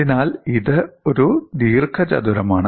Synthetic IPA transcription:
inaːliðɨoɾud̪iːrkʰɐt͡ɕɐ̰d̪uɾɐmaːɳɨ

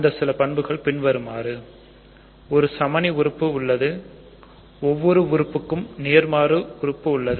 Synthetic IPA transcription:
ɐnd̪ɐsɪlɐpɐɳbɯɣɐɭpɪɳʋɐɾɯmaːɾɯ | ɔɾɯsɐmɐniʋʊɾɯpːɯʊɭːɐðɯ | ɔʋːɔɾɯʋʊɾɯpːɯkːɯmneːɾmaːɾɯʊɾɯpːɯʊɭːɐðɯ

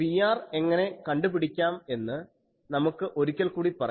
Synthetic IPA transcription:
pijaːre̞ŋːɐne̞kɐɳɖupiɽikʲːaːme̞nːɨ | nɐmukːɨʔo̞ɾukʲːɐlkuːɽipɐrɐ

